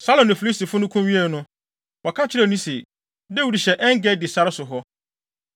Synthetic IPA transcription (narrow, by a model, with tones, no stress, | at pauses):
sa˦lɔ̃˨nʊ̃˨fi˨li˦sti˨fʊ˦nʊ̃˦kʰũ˦mɥi˦ɛ˦˨nʊ̃˦ | wɔ˨kʰa˦t͡ɕʰɪ˦ɾɛ˦˨nĩ˦se˨ | de˦wu˦di˨ɕɛ˨ʔɛ˦ŋ˦ɡɛ˦dɪ˨sa˦ɾɪ˦sʊ˨ɦɔ˦